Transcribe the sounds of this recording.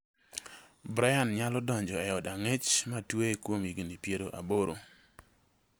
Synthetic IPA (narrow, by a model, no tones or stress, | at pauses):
bɾajanɲalɔdɔɲd͡ʒɔɛɔdaŋet͡ʃmatweekwomiɡonipjeɾoʔa̰boɾo̰